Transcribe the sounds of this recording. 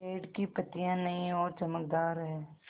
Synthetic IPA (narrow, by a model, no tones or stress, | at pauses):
eːɖkipɐt̪ijãnɐĩɔːɾt͡ʃɐməkd̪aːɾɦɛː